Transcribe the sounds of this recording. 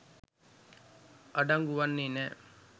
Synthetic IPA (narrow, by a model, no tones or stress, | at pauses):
ʔɐɖɐŋɡuʋɐnːine